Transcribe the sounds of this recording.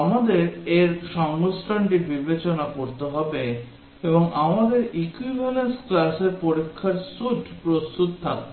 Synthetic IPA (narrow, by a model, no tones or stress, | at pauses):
amad̪eɾeɾʃɔŋɡosʈʰaɳʈibibet͡ɕonakoɾt̪eɦɔbe | ebɔŋamad̪eɾikwibʱalensklaseɾpoɾikʰːaɾsud͡ʒpɾost̪ut̪t̪ʰak̚